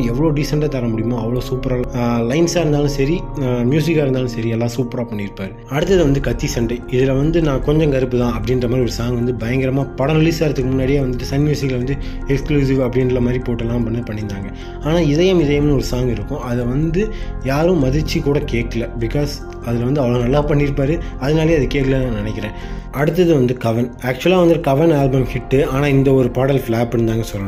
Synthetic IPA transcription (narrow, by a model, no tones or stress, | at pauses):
ɛʋːɐɭoːɖɪsɐɳʈaːt̪ɐɾɐmʊɽɪjɐmõːɐʋːɐɭoːsuːpɐɾaːlɐɪnsaːɪɾɯnd̪aːlɯ̃sɐɾimjuːs̬ɪkːaːɪɾɯnd̪aːlʊ̃sɐɾiɛlːãːsuːpɐɾaːpɐɳːɪɾɯpːaːɾɯɐɽɯt̪ːɐðɯʋɐnd̪ɯkɐt̪ːisɐɳɖɐɪðɯlɐʋɐnd̪ɯnãːkɔɲd͡ʒɐ̃ŋkɐɾɯpːɯðãːɐpːɐɽɪnrɾɐmaːd̪ɾiɔɾɯsaːŋɡʋɐnd̪ɯbɐjɐŋɡɪɾɐmaːpɐɽɐnɐlisaːɪɾɐt̪ːɯkːɯmʊnːaːɽɪjeːʋɐnd̪ɯʈːɯsɐnːɪjɐsɪkːɐlʋɐnd̪ɯ | ɛkskluːs̬iʋɐpːɐɽɪnɾɐɾɐmaːd̪ɾipoːʈːɐlːãːpɐɳːɯpɐɳːɪnd̪aːŋɡɐ | aːnaːɪðɐjɐmɪðɐjɐmnɯ̃ɔɾɯsaːŋɡɪɾɯkːʊ̃ʔɐðɛʋɐnd̪ɯjaːɾɯ̃mɐðɪt͡ʃːikuːɽɐkeːʈːɐlɐbɪkaːs | ɐðɪlɐʋɐnd̪ɯɐʋɐɭoːnɐlːaːpɐɳːɪɾɯpːaːɾɯɐðɐnaːlɐjeːɐðɯkeːʈkɐlɐnãːnɪnɛkːɪɾẽːʔɐɽɯt̪̬ːɐðɯʋɐnd̪ɯkɐʋɐnaːk̚t͡ʃʊlaːʋɐnd̪ɯʈːɯkɐʋɐnaːlbɐmhɪʈːɯaːnaːɪnd̪ɐɔɾɯpaːɽɐlfɭaːpːɪɽɯnd̪aːŋɡɐsɔlːɐɳʊ̃